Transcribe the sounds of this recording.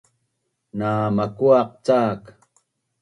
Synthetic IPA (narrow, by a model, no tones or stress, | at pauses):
naːmakwaq̚t͡saːk